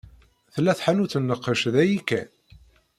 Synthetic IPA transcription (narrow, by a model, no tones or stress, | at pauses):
θəlːæθħanuθənːəqːəʃðæjikːæn